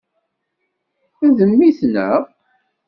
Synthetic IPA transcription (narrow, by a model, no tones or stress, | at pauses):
æðəmːiθnə̰ʁ